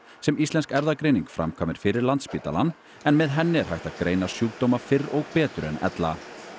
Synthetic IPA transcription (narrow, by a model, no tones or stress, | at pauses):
sɛmist̪lɛnskɛɾðakɾeːjniŋkfɾa̰mkʰaːmɪɾ̥fɪɾɪɾlant̪spiːt̪a̰lanː | ɛnmɛðɦɛnːɪɾ̥hajht̪aðkɾejnasjuːk̚t̪owmafɪrːoɣpɛːt̪ʏɾɛnɛ̰t̪la